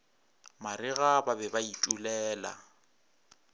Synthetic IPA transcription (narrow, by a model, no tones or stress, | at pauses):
marɪɣababɛbaitʼulɛːla̰